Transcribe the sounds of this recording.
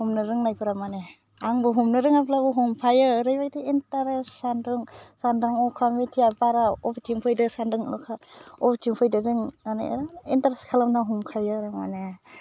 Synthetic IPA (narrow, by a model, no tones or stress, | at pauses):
humnɯɾɯŋnajpʰɯɾamane | aŋbɯɦumnɯɾɯŋapʰlabuɦumpʰajɯɾɯjbajdiintaɾesːandɯŋsandaŋɔkʰamitʰijapaɾaɔpitʰiŋpʰɯjdɯsandɯŋkʰaɔpitiŋpʰɯjdɯzɯŋana̰ɾintaɾeskʰalamnaɦumkʰajɯɾama̰ne